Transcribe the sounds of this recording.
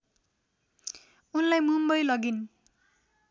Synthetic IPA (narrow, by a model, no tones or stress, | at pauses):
unlajmumbʌjlʌɡin